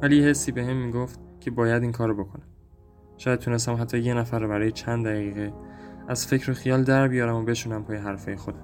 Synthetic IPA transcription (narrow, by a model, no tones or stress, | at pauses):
vælijhesːiːbe̞hemːiːɡoft̪̚cʰe̞bɒːjæd̪iːŋkʰɒːɾobo̞kʰonæm | ʃɒːjæd̪̚tʰunes̬t̪æmɦæt̪ʰːɒːjenæfæɾrːɒːbæɾɒːje̞t͡ʃʰænd̪æɣiːɣeæzfe̞cʰɾoxijɒːld̪æɾbijɒːɾæmobe̞ʃunæmpʰɒːjeɦæɾfɒːjexod̪æ̥m